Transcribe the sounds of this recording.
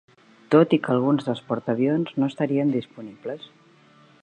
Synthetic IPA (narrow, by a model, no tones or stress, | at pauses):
t̪ot̪ikəlˠɣ̞unzðəlˠspuɾt̪əβjonznoest̪aɾiənd̪ispunibləs